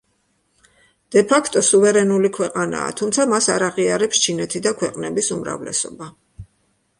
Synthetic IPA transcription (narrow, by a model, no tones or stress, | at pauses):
d̪̥ɛpʰakʰt̪ʼɔsuvɛɾɛnulikʰwɛqʼana̰ːt̪ʰumt̪sʰamasaɾaʁiaɾɛpst͡ʃʰinɛt̪ʰid̪akʰwɛqʼnɛbisumɾa̰vlɛ̰sɔba